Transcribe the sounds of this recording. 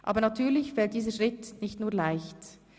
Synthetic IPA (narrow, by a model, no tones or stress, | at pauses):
ʔaːbənatʰyːɐlɪçfɛlt̚d̥iːzəʃʁɪtnɪçtnuːɐlaɪçt